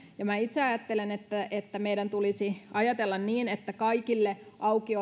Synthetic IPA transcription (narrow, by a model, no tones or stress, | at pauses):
jɑmæit̪seɑjɑt̪ːelenet̪ːæet̪ːæmeidænt̪ulisiɑjɑt̪elːɑnniːnet̪ːækɑikilːeʔɑukio